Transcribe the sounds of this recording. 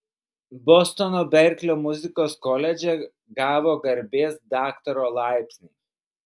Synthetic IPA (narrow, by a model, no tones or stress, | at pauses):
bɔst̪ɔnoːbʲɛɾʲkʲlʲoːmʊzʲɪkoːskɔlʲɛd͡ʒʲɛ | ɡɑːʋoːɡɐɾʲbʲeːsd̪ɑːkt̪ɐɾoːlˠɑˑɪpʲsʲnʲiː